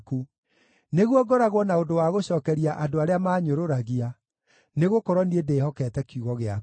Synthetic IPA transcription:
ku | neɣwɔɡɔɾaɣwɔnaondowaɣoɕɔːkɛɾiaʔadoaɾeamaːɲoɾoɾaɣia | neɣokɔɾwɔniedeːhɔkɛtɛkjuɣɔɣea

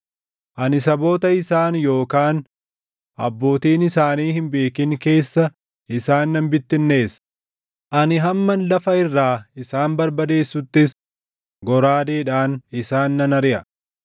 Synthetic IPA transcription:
ʔɐnɪs̬ɐbo̞ːt̪ɐɪsaːnjo̞ːkaːn | ʔɐbːo̞ːt̪iːnɪsaːniːhɪmbe̞ːkɪŋke̞ːsːɐ | ɪsaːnːɐmbɪt̪ːɪnːe̞ːs | ʔɐnɪɦɐmːɐnlɐfɐɪrːaːɪsaːnbɐɾbɐd̪e̞ːsːʊt̪ːɪs | ɡɔɾaːd̪eːᶑaːnɪsaːnːɐnɐɾɪʔɐ

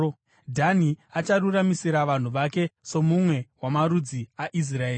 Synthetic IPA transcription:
dʱaniat͡ʃaruramisiɾaʋan̤uʋake̞so̞mumwe̞wamaɾud͡ziaʔis̬raeːi

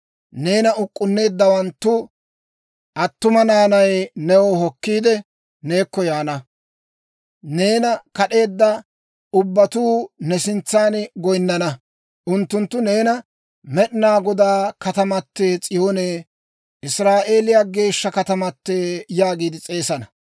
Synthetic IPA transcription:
ne̞ːnɐʊkʼːʊnːe̞ːd̪ːɐwɐnt̪ːʊ | ʔɐt̪ːʊmɐnaːnɐjnɛwɔɦɔkːiːd̪ɛ | ne̞ːkːɔjaːnɐ | ne̞ːnɐkɐɗe̞ːd̪ːɐ | ʊbːɐt̪uːnɛsɪnt͡sːaːnɡɔjnːɐnɐ | ʔʊnt̪ːʊnt̪ːʊne̞ːnɐ | mɛɗɪnaːɡɔd̪aːkɐt̪ɐmɐt̪ːeːt͡sʼɪjoːneː | ʔɪsɾaːʔe̞ːlɪjaɡe̞ːʃːɐkɐt̪ɐmɐt̪ːeːjaːɡiːd̪ɪt͡sʼe̞ːsɐnɐ

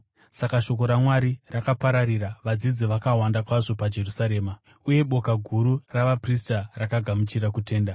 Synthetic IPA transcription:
sakaʃo̞ko̞ɾamwaɾirakapaɾaɾiɾaʋad͡zid͡ziʋakawandakwaʐo̞pad͡ʒe̞rusaɾe̞ːma | uje̞ɓo̞kaɡʱuɾuraʋapristarakaɡʱamut͡ʃiɾakute̞ːnda

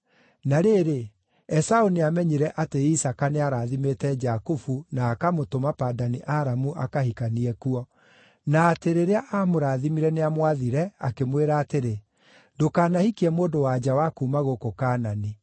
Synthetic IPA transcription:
naɾeɾe | ɛsaoniamɛɲiɾɛʔateisakaneaɾaːðimetɛd͡ʒakufunaːkamotomapadaniʔaɾamuʔakahikaniɛkuɔ | naːteɾeɾeaʔamoɾaːðimiɾɛneamwaðiɾɛakemweɾaːteɾe | dokaːnahikiɛmoːdowad͡ʒawakuːmaɣokokaːnani

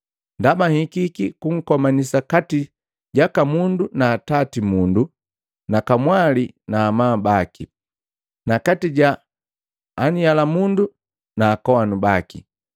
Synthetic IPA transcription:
ndamahikikikuŋ̩kɔmanisakati | ɟakamundunaːtatimundu | nakamwalinaːmaːbaki | nakatiɟaː | nijalamundu | naːkɔwanubakḭ

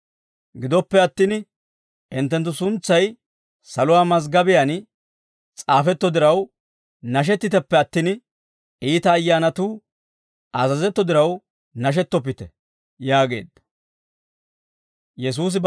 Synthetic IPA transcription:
ɡɪd̪ɔpːɛɐt̪ːin | ɪnt̪ːɛnt̪̬ːʊsʊnt͡sːɐj | sɐlʊwaːmɐzɡɐbɪjan | t͡sʼaːfɛt̪ːɔd̪ɪɾɐw | nɐʃ̬ɛt̪ːɪt̪ɛpːɛɐt̪ːin | iːt̪ɐːjːaːnɐt̪uː | ʔɐzɐzɛt̪ːɔd̪ɪɾɐw | nɐʃ̬ɛt̪ːɔp̬ːɪt̪ɛ | jaːɡe̞̰ːd̪ːɐ | jɛs̬uːs̬ɪb

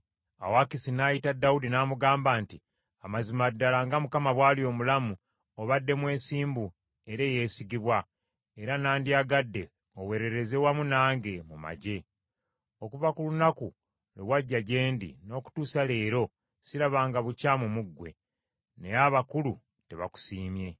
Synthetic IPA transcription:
a̰wakisinaːjitadːaudinaːmuɡaːmbaːnti | amazimadːalaŋɡamukamaβwaːlio̞ːmulamu | oβadːe̞mwe̞ːsiːmbu | e̞ɾe̞ːje̞ːsiɡiβwa | e̞ɾanaːndiaɡadːe̞ | owe̞ɾeɾe̞ze̞wamunaːŋɡe̞muma̰ɟe̞ | o̞kuvakulunaku | lḛwaɟːaɟe̞ːndḭno̞ːku̥tuːsale̞ːɾo̞ | siɾaβaːŋɡaβucaːmumuɡwe̞̰ | ne̞aβakulu | te̞βa̰ku̥siːmje̞

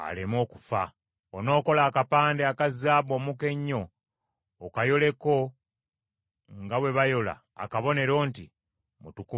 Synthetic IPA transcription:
a̰lemo̞ːkufa̰ | ono̞ːko̞laːkapaːndeakazaːβo̞muke̞ɲːo̞ː | kajo̞le̞ko̞ | ŋɡawe̞βajo̞la̰ːkaβo̞ne̞ɾo̞ːnti | mutuku

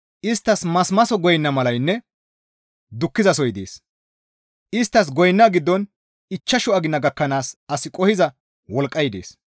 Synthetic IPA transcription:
ʔɪst̪ːɐsmɐsmɐsɔɡɔjnːɐmɐlɐjnːɛ | d̪ʊkːɪzɐsɔjd̪eːs | ʔɪst̪ːɐs̬ɡɔjnːaɡɪd̪ːɔn | ɪt͡ʃːɐʃʊɐɡɪnːɐɡɐkːɐnaːsɐsɪkʼɔhɪzɐ | wɔlkʼːɐjd̪ḛːs

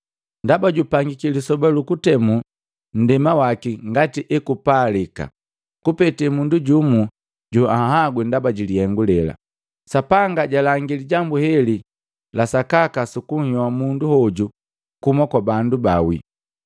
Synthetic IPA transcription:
ndabaɟupaŋɡikilisɔbalukutɛmu | n̩dɛmawakiŋɡatiʔɛkupaːlika̰ | kupɛtɛmunduɟumu | ɟuahaɡwɛndabaɟilihɛŋɡulɛla̰ | sapaŋɡaɟalaŋɡiliɟambuhɛli | lasakakasukuŋ̩hɔwamunduhɔɟu | kumakwabandubawḭ

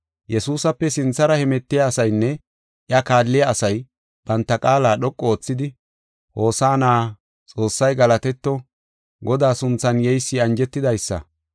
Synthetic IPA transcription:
jɛsuːsɐpːɛsɪnt͡sːɐɾɐhɛmɛt̪ːɪjaːsɐjnːɛ | ʔɪɐkaːlːɪjɐːsɐj | b̥ɐnt̪ːɐkʼaːlaːɗɔkʼːɔoːt͡sːɪd̪ɪ | ho̞ːsaːnaː | t͡sʼo̞ːsːɐjɡɐlɐt̪ɛt̪ːɔ | ɡɔd̪aːsʊnt͡sːɐnjɛjsːɪɐnd͡ʒɛt̪ːɪd̪ɐjsːɐ̰

